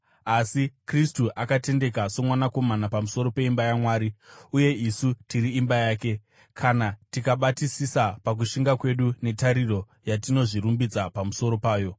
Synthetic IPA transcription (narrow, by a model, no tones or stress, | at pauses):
asikristuʔakate̞nde̞kaso̞mwanako̞manapamuso̞ɾo̞pe̞imbajamwaːɾiuje̞isutiɾiːmbajaːke̞ | kʰanatikaɓatisisapak̬uʃiŋɡakwe̞ɗune̞taɾiro̞ | jatino̞ʐiɾumbid͡zapamuso̞ɾo̞paːjo̞